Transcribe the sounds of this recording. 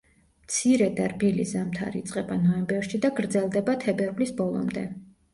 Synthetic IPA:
mt̪sʰiɾɛd̪aɾbilḭzamt̪ʰa̰ɾḭːt̪sʼqʼɛbanɔɛmbɛɾʃid̪aɡɾd̪zɛlˠd̪ɛbat̪ʰɛbɛɾvlisbɔlˠɔ̰md̪ɛ̰

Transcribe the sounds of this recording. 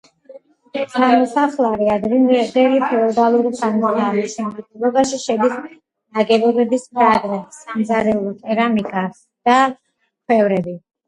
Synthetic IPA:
samɔsaχlˠaɾiad̪ɾind̪ɛɾipʰɛɔd̪alˠuɾisʰanmad̪aːmisɛmat̪ilˠɔbaʃiʃɛd̪is | naɡɛbɔbɛbispʰʼɾaɡɾɛtsmzaɾɛult̪ʼɛɾamikʼa | d̪̥a | kʰwɛvɾɛbi

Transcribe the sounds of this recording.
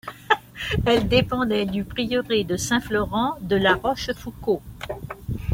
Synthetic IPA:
ɛld̪epɑ̃d̪ɛd̪ypχijəʁed̪əsɛ̃flɔʁɑ̃d̪əlaʁɔʃfuko

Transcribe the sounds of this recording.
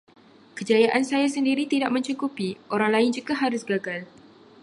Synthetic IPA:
kəd͡ʒajaʔansajasəndiɾit̪idaʔmə̃ɲt͡ʃukupiʔoɾaŋlaɪnd͡ʒuɡaɦaɾʊsɡaɡal

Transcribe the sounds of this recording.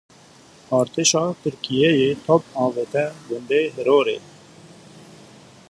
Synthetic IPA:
ɑːɾt̪eːʃɑːt̪ɨɾkijɛjeːt̪ʰɔpɑ̃ːʋet̪ɛɡʊnd̪eːɦɪɾoːɾḛː

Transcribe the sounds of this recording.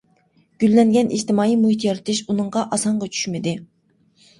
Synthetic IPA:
ɡ̥ʲylːɛŋɡʲɛnʔḭd͡ʒt̪ɪmɑːjijmuɦit̪ʰjɑɾɨt̪ʰɨʃunɨɴʁɑʔɑsɑɴʁɑt͡ʃʰy̥ʃmɪd̪ɪ

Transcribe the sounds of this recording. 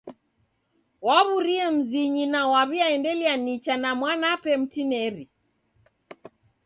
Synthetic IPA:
waβuɾiɛm̩ziɲinawaβiaɛndɛlianit͡ʃanamwanapɛm̩tinɛɾi

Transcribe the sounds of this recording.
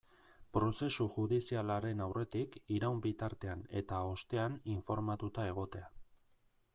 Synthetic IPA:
pɾo̞se̞suʝuðisialaɾe̞nawre̞t̪ikiɾawmbit̪aɾt̪e̞ane̞t̪ao̞st̪e̞aniɱfo̞ɾmat̪ut̪ae̞ɣ̞o̞t̪e̞a

